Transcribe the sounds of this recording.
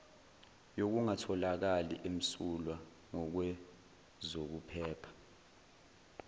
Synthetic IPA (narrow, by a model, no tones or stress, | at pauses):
jok̬uŋatʰɔlak̬aliʔem̩sulwa | ŋɔk̬wɛ | zok̬upʰɛːpʰḁ